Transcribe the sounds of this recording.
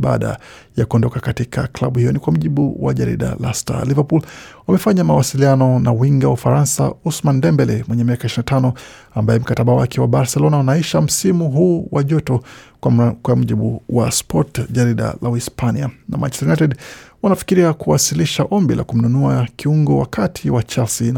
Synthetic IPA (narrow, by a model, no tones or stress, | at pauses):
ɓa̰ɗa̰ | jakuɔndɔkakatikʰakla̰ɓuhijɔnikwam̩ʄiɓṵwa̰ʄaɾḭɗa̰la̰sta̰livapulwamɛfaɲamawasilianɔnawiŋɡaufaɾansa̰usmandɛmbɛlɛmwɛɲɛmiakaiʃɾinatanɔ | ambaɛm̩kataɓawakʰɛwaɓaɾsɛlɔnaunaiʃam̩simuɦuːwaʄɔtɔ | kwam̩ʄiɓuwaspʰɔtʄaɾiɗa̰lawispʰaniana̰ma̰nt͡ʃɛ̥tnatɛdwanafi̥kiɾiakuwasiliʃaʔɔmbilʔa̰kum̩nunuakʰiuŋɡɔwa̰kʰatʰiwat͡ʃalsin